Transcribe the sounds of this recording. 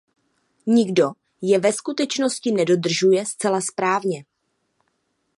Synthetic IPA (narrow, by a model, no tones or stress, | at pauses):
ɲɪɡdo̞ | jɛvɛskut̪ɛt͡ʃno̞scɪnɛdo̞d̪r̩ʒujɛst͡sɛlaspɾaːvɲɛ